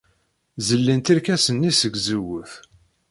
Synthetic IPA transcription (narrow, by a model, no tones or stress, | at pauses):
zəlːint̪iɾkæsənːisəɡzəwəθ